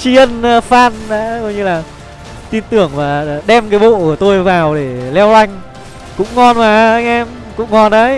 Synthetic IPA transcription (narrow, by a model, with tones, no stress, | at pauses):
t͡ɕi˧ə˧n˧faː˧nɗa̰ː˧˥ko˧˨˦jɲɨ˧laː˨˩ | t̪i˧nt̪ɨ˨˧˩əŋvaː˨˩ɗɛ˧mkaː˨˦jɓo̰˧˨ʔɨ˧˩ət̪o˧jvaː˨˩wɗe˧˩lɛ˧wla˧jŋ̟ | kʊ̰˧˥ŋ͡mŋɔ˧nmaː˨˩ʔa˧jŋ̟ʔɛ˧m | kʊ̰˧˥ŋ͡mŋɔ˨˧˩nʔə˨˦j